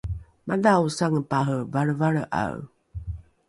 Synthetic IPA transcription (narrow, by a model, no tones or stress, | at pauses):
madawsaŋəpaɦəvaɾəvaɾəʔa̰w